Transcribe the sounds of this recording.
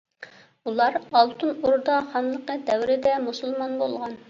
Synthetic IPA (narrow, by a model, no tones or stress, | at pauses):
ulˠɑɾɑlˠt̪ʰunuɾd̪ɑχɑnlˠəqəd̪ɛwɾɪd̪ɛmusulˠmɑnbolˠʁɑn